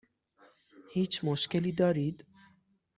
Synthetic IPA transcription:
hiːt͡ʃmoʃkɛliːd̪ɑːɾiːd̪

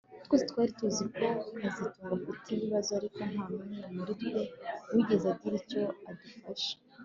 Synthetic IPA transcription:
utwezitkwaːɾituziko̞azituːŋɡakutʰiβiβazoaɾiko̞n̥hamuniɾamuɾidideuwiɡezadɡiɾico̞adufaʃe̥

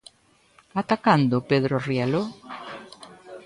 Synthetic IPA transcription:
at̪akand̪opeðɾorialo

